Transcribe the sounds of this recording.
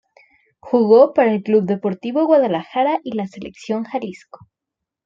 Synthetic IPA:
xuɣopaɾaelkluβd̪e̞po̞ɾt̪iβoɣwaðalaxaɾaʔilaselḛksjoŋxalisko̥

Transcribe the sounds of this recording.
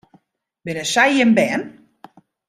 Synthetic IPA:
bɪnəsajɪmbɛn

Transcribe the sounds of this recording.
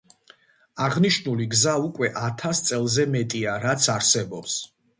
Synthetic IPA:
aʁniʃnuliɡzaukʼwɛʔat̪ʰast̪sʼɛlˠzɛmɛt̪ʼiaɾat̪sʰaɾsɛbɔps

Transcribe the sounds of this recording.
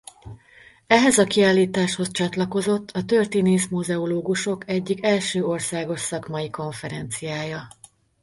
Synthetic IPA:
ɛɦɛzɒkiaːlːiːt̪aːʃho̞st͡ʃɒt̪lɒko̞zo̞t̪ːʰɒt̪ørt̪ineːʃmuzɛoloːɡuʃo̞kɛɟːikɛlʃøːo̞rsaːɡo̞ʃsɒkmɒjiko̞ɱfɛɾɛnt̪sijaːjɒ

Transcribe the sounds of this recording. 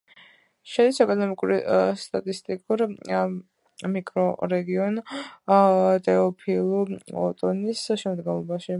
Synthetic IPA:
ʃɛd̪isɛkʼɔnɔmikʼuɾist̪ʼat̪ʼist̪ʼikʼuɾ | mikʼɾɔɾɛɡiɔn | t̪ʼɛɔpʰilˠuɔt̪ʼɔnisʃɛmd̪ɡɛnlˠɔbaʃi

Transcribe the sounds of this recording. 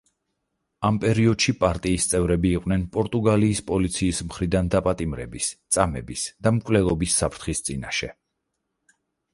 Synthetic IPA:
ampʼɛɾiɔd̪̥ʃipʼaɾt̪ʼiːst̪sʼɛvɾɛbiːqʼwnɛnpʼɔɾt̪ʼuɡaliːspʼɔlit̪sʰiːsmχɾid̪and̪apʼat̪ʼimɾɛ̰bist̪sʼamɛbisd̪̥amkʼvlɛlˠɔbisːapʰɾt̪ʰχist̪sʼinaʃɛ

